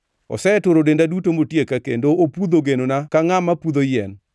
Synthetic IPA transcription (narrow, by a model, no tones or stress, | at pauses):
ɔ̰sɛɛtoɾodendadutomotjekakḛndoopud̪oɡenonakaŋamapud̪ojɛn